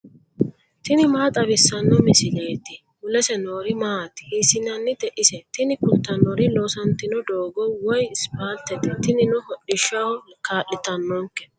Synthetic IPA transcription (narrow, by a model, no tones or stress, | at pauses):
t̪ɪnɪmaːt̪ʼɐbɪsːɐnːɔmɪsɪleːt̪ːɪ | ʊlɛsɛnoːɾɪmaːt̪hiːsɪnɐnːɪd̪ɛʔɪsɛt̪ɪnɪkʊt̪ːɐnɔɾɪloːsɐnt̪ːɪnɔd̪oːɡɔwɔjɪspaːlt̪ːɛd̪ɛt̪ɪnɪnɔhɔɗɪʃahɔkaːʔːɪt̪ɐnːɔŋkːɛ̥